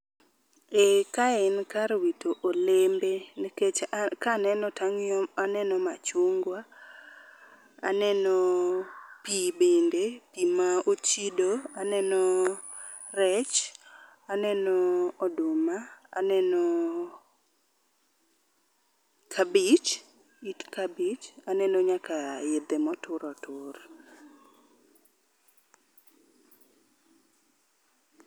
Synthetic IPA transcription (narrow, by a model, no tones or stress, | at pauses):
ekaɛnkaɾwitoʔolembeniket͡ʃkanɛnɔtaŋɔmanɛnɔmat͡ʃoŋɡwa | a̰nɛnɔ | pibendepimaot͡ʃidoanɛnɔ | rɛt͡ʃ | anɛnɔːdʊmaa̰nɛnɔ | kʰabit͡ʃ | itkabit͡ʃanɛnoɲakajed̪emɔtʊɾɔtʊr